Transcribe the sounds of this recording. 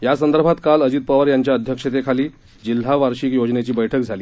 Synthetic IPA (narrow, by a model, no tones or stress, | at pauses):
jasənd̪əɾbʱat̪kaləd͡ʑit̪̚pəʋəɾjaɲt͡ɕjaəd̪ʱjəkʂet̪ekʰaliː | d͡ʑil̤ːaʋaɾɕiːkjod͡znet͡ɕiːbəjʈʰək̚d͡zʱaliː